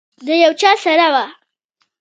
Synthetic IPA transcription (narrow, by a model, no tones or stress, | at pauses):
d̪əjawt͡ʃɑːsaɾawa